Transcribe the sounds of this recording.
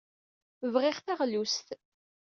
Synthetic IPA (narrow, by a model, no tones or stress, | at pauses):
vʁɪʁθaʁlust̪